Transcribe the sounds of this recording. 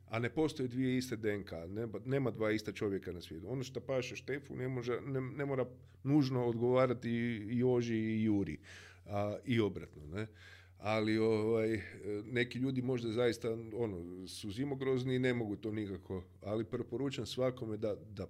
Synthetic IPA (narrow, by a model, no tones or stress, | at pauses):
ane̞po̞st̪o̞jed̪ʋije̞ist̪ed̪eŋkaneane̞ːmad̪ʋaːist̪at͡ʃo̞ʋje̞kanasʋjeːt̪uo̞noʃt̪opaʃeʃt̪efṵnemoʒanene̞moɾa | nuːʒno̞od̪ɡo̞ʋaːɾat̪iːjoʒijuːɾḭ | aio̞bɾa̰t̪none | alioʋajne̞kiʎuːd̪imo̞ʒd̪azajist̪ao̞nosuzimo̞ɡɾo̞zniːne̞mo̞ɡut̪oːnikako̞ | alipɾpo̞ɾuːt͡ʃuamsʋako̞med̪ad̪a